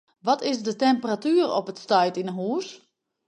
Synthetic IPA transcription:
ʋɔtɪsdətɛmpəratyərɔ̰pətstœjtinəɦuːs

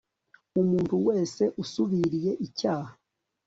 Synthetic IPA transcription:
umuːnthuwe̞ːse̞ʔusuβiɾije̞ʔicaːha

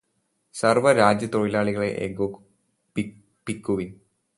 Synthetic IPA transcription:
sɐrʋɐɾaːd͡ʑjɐt̪oɻilaːɭiɣɐɭe̞ʔeɡo | p | pikːuʋin

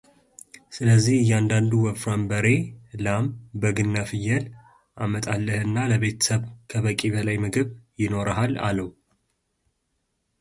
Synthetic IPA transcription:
sɨləzːihɨjːand̪and̪uwəfɾambəɾe̞lambəɡɨnːafɨjːəl | ʔamət̪ʼalːəhɨnːaləβe̞t̪ʰə̥səβkʰəβəkʼiβəlajmɨɡɨβjɪno̞ɾaɦala̰ləw

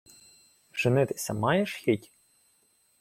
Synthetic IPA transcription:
ʒ̥ɪnɪt̪e̥sʲɐ̰mɑjeʃxʲitʲ

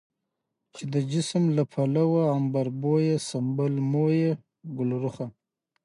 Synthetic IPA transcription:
t͡ʃed̪əd͡ʒɪsmlapʰalawaːmbaɾbojesambalmoje | ɡʊlɾʊχa

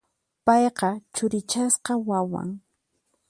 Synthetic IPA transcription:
pɑjqɑt͡ʃʊɾɪt͡ʃasqɑwawa̰ŋ

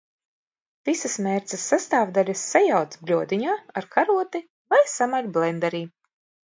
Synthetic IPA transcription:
tisasmɛːɾt̪sɨsːast̪aːvd̪alʲasːajawt̪sblʲuɔd̪iɲaːaɾkʰaɾuɔt̪i | vajsamalʲblˠɛnd̪aɾiː

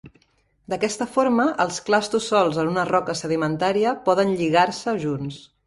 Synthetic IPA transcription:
d̪əkɛst̪əfoɾməʔəlˠsklast̪usːɔlˠzənunərɔkəsəð̞imənt̪aɾiəpɔðənʎiɣ̞aɾsəʒuns

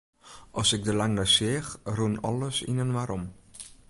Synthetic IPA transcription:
ʔɔsɪk̚dəlaŋnəsɪːxruənɔ̰lˠəsḭnənʋaːɾɔm

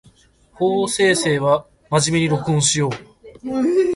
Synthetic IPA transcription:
hoːse̞ːse̞ːβa | maʑimʲeɲ̟iɾo̞kɯɯ̃ɕijo̞ː

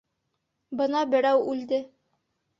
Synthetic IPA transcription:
bɤ̆nɑbɘ̆ɾæwʉld̪ɘ

